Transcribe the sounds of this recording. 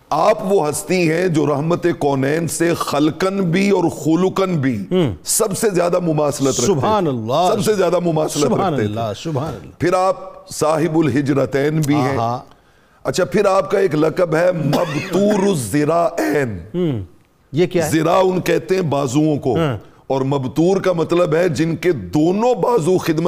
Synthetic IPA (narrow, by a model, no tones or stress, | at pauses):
aːpʋoɦɐst̪iɦɛ̃d͡ʒoːɾɐɦmət̪ekɔːnɛːnsexɐlkənbʱiɔːɾxʊlʊkənbʱisɐbsezjaːd̪amʊmaːslət̪ɾɐkːnlːsɐbsezjaːd̪amʊmaːsllət̪ɾɐk̪eɛ | pʰɪɾaːp̚saːɦɪbʊlɦɪd͡ʒɾət̪ɛːnbʱiɦɛ̃ | ɐtːʃʰapʰɪɾaːp̚kaeːklɐkəbɦɛmɐbt̪uːɾʊzzɪɾaːʔɛːn | jekjazɪɾaːʊnkɛɦt̪eɦɛ̃baːzuõko | ɔːɾmɐbt̪uːɾkamɐt̪ləbɦɛd͡ʒɪnked̪oːnõbaːzũxɪd̪mə